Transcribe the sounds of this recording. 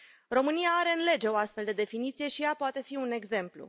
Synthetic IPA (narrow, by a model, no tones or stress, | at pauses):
ro̞mɨnijaaɾe̞ɨnle̞d͡ʒe̞o̞ast̪fe̞ld̪e̞d̪e̞finit̪sije̞ʃijapoat̪e̞fiune̞ɡze̞mplṵ